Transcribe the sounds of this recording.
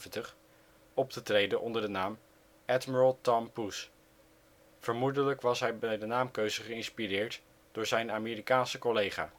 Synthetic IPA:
əntəχ | ɔp̚tətrejdənʔɔndəɹdənaːm | ɛtməɹəlˠtɑmpus | v̥əɹmudələkʋɑsɦɛjbɛjdənaːmkøɥzəχəɪnspirɪːɹt | d̥ʊːɹzɛjnaːmeːrikaːnsəkolejχa̰ː

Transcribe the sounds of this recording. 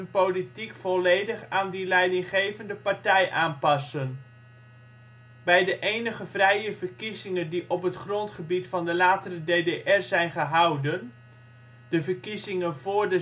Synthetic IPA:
ənpowlitikfɔlejdəχaːndilɛjdɪŋχejvəndəpaɹtɛjʔaːnpɑsən | bɛjdəʔejnəχəvrɛjəvərkizɪŋəndiʔɔpɦətχrɔntχəbitfɑndəlaːtərədeːdeʔɛrzɛjnχəɦɑwdən | d̥əvərkizɪŋənvʊːɹdə

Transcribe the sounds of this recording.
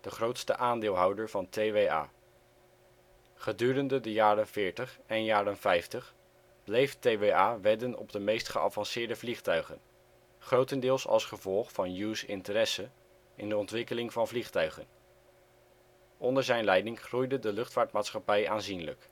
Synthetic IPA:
d̥əχrowtstəʔaːndɪːlˠɦɑwdəɹvɑntejʋeja̰ː | χədyːrəndədəjaːrənvɪːɹtəχɛnjaːrənvɛjftəχ | b̥lejftejʋeaːʋɛdənɔ̰bdəmejstχəʔɑ̰vɑnsɪːɹdəvliχtœɥχə̰n | χrowtəndɪːlˠsɑ̰lˠsχəvɔlˠχfɑnjusɪ̰ntəɾɛsə | ɪndəɔntʋɪkəlɪŋvɑnvliχtœɥχən | ʔɔndəɹzɛjnlɛjdɪŋχrujdədəlɵχtfaːɹtmaːtsχɑpɛjaːnzinlə̰k

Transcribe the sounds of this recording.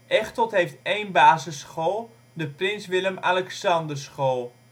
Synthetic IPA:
ʔɛχtɔtɦejftejnbaːzəsχoːlˠ | dəprɪnsʋɪləmalɛksɑndərsχoːlˠ

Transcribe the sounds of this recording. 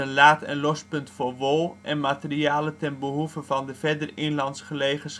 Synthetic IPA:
ənlaːtɛ̰nlɔspɵntfʊːrʋolˠʔɛnmatəriaːlətɛnbəɦuvəvɑndəvɛrdərɪnlɑntsχəlejχəns

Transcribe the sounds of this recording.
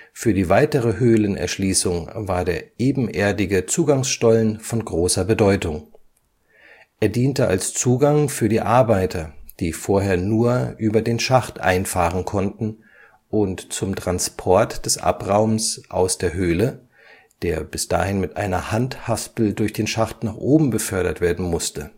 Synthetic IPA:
fyːɐdiːvaɪtəʁəɦøːlənɛ̰ɐʃliːsʊŋvaːɐdeːɐʔeːbm̩ʔeːɐdɪɡət͡suːɡaŋsʃtɔlənfɔnɡʁoːsɐbədɔʏtʊŋ | ʔeːɐdiːntəʔa̰lst͡suːɡaŋfyːɐɾiːʔaɐbaɪtʰɐd̥iːfoːɐɦeːɐnuːɐʔyːbɐdeːnʃaχtʔa̰ɪnfaːʁənkʰɔntn̩ | ʔʊntt͡sʊmtʁ̥anspʰɔɐtd̥ɛsʔa̰pʁaʊmsʔa̰ʊsd̥eːɐɦøːlə | d̥eːɐbɪsd̥a̰ːhɪnmɪtʔa̰ɪnɐhanthaspl̩dʊɐçd̥eːnʃaχtnaːχʔoːbm̩bəfœɐɾɐtv̥eːɐdn̩mʊstə

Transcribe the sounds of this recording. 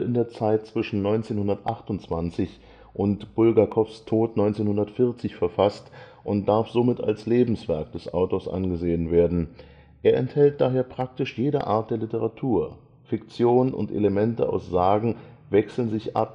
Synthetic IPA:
ɪndeːɐt͡saɪt̚t͡sv̥ɪʃn̩nɔʏnt͡seːnhʊndɐtʔa̰χtʊnt͡sv̥ant͡sɪç | ʔʊntb̥ʊlɡakʰɔfstʰoːtnɔʏnt͡seːnhʊndɐtfɪɐt͡sɪçfɛɐfast | ʔʊnt̚d̥aɐfz̥omɪta̰lsleːbm̩sv̥ɛɐk̚d̥ɛsʔa̰ʊtoːɐsʔa̰nɡəzeːənveːɐdn̩ | ʔeːɐʔɛ̰nthɛlt̚d̥aːɦeːɐpʁ̥ak̚tɪʃjeːɾə̰ʔa̰ːɐt̚d̥eːɐlɪtəʁatʰuːɐ | fɪkt͡sjoːnənʊ̰ntʔḛləmɛntəʔa̰ʊsz̥aːɡŋ̩ | vɛksl̩nzɪçʔa̰p̚

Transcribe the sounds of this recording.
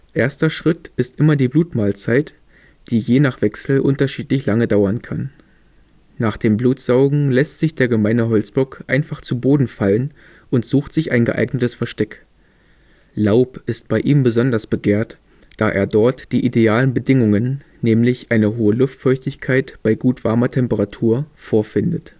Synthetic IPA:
ʔeːɐstɐʃʁ̥ɪtʔɪstʔɪmɐdiːbluːtmaːlt͡saɪt | d̥iːjeːnaːχv̥ɛksl̩ʔʊ̰ntɐʃiːtlɪçlaŋədaʊɐnkʰan | aːχd̥eːmbluːtz̥aʊɡŋ̩lɛstz̥ɪçd̥eːɐɡəmaɪnəɦɔlt͡sb̥ɔkʔaɪnfaχt͡suboːdn̩falən | ʔʊntz̥uːxtz̥ɪçʔaɪnɡəʔa̰ɪɡnətəsfɛɐʃtɛk | laʊpʔɪst̚b̥aɪʔiːmbəzɔndɐsb̥əɡeːɐt | d̥aːʔḛːɐdɔɐtd̥iːʔideaːlənbədɪŋʊŋənː | ɛːmlɪçʔaɪnəɦoːəlʊftfɔɐçtɪçkʰaɪtb̥aɪɡuːtv̥aɐmɐtʰɛmpəʁatʰuːɐfoːɐfɪndət

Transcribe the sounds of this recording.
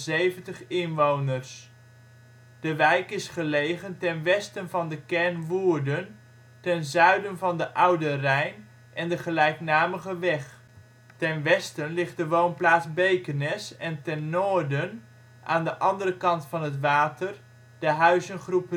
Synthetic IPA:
zejvəntəχɪnʋownərs | d̥əʋɛjkɪsχəlejχəntɛnʋɛstənvɑndəkɛɹnʋuːɹdən | tɛnzœɥdənvɑndəʔʌwdərɛjn | ʔɛndəχəlɛjknaːməχəʋɛχ | tɛnʋɛstənlɪχt̚dəʋownplaːtzbejkənɛsɛntɛnːoːɹdən | ʔaːndəʔɑndəɾəkɑntfɑnɦətʋaːtər | d̥əɦœɥzənχrup

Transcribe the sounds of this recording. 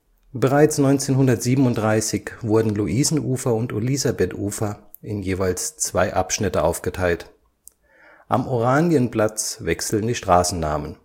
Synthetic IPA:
b̥əʁ̞aɪt͡snɔʏnt͡seːnɦʊndɐtz̥iːbəm̩ʊnt̚d̥ʁaɪsɪçv̥ʊɐdn̩luʔiːzn̩ʔuːfɐʊntelizabetʔuːfɐ | ʔɪnjeːvaɪlst͡sv̥aɪʔapʃnɪtəʔa̰ʊfɡ̥ətʰaɪlt | ʔa̰mʔoʁaːnjənpl̥at͡svɛksl̩n̩diːʃtʁ̥aːsn̩nːa̰ːmən

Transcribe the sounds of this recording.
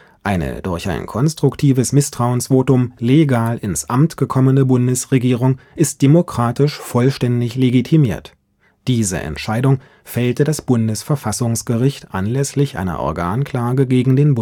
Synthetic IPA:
ʔaɪnə̰d̥ʊɐça̰ɪnkʰɔnstʁ̥ʊktʰiːvəsmɪstʁ̥aʊənsv̥oːtʊmleɡaːlʔɪnsʔamtɡ̥əkʰɔmənəbʊndəsʁeɡiːʁʊŋʔɪst̚d̥emokʁ̥aːtɪʃfɔlʃtɛndɪçleɡitʰimiːɐt | d̥iːzə̰ʔɛ̰ntʃaɪdʊŋ | fɛltədasb̥ʊndəsfɛɐfasʊŋsɡ̥əʁɪçtʔa̰nlɛslɪçʔa̰ɪnɐ̰ʔɔ̰ɐɡa̰ːnkl̥aːɡəɡeːɡŋ̩deːnb

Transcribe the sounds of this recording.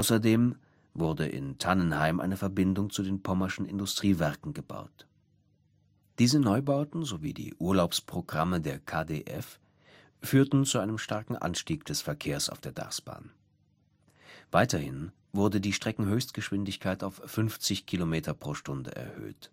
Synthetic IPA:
ʔʔaʊsɐdeːm | vʊɐdə̰ʔɪ̰ntʰanənhaɪmʔa̰ɪnəfɛɐbɪndʊŋt͡sudeːnpʰɔmɐʃn̩ɪ̰ndʊstʁ̥iːvɛɐkŋ̩ɡəba̰ʊt | d̥iːzənɔʏbaʊtn̩zovḭːdḭːʔuːɐlaʊpspʁ̥oɡʁamədeːɐkʰaːdḛʔɛ̰f | fyːɐtn̩t͡suʔaɪnəmʃtaɐkŋ̩ʔa̰nʃtiːkd̥ɛsfɛɐkʰeːɐsa̰ʊfd̥eːɐda̰ʁsb̥a̰ːn | v̥aɪtɐhɪn | vʊʁdədiːʃtʁ̥ɛkŋ̩ɦøːçstɡ̥əʃv̥ɪndɪçkʰaɪtaʊfʏnft͡sɪçkʰilomeːtʰɐpʁ̥oːʃtʊndə̰ʔɛ̰ɐhø̰ːt

